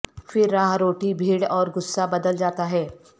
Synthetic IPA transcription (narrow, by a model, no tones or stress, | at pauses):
fɪɾːaːɦɾoːʈibʱiːɽɔːɾɡʊsːabɐd̪əld͡ʒaːt̪aɦɛː